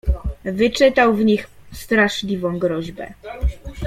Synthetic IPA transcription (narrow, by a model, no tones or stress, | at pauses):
vɘt͡ʂɘt̪awvɲixst̪ɾaʂlʲivɔ̃w̃ɡɾɔʑbɛ̰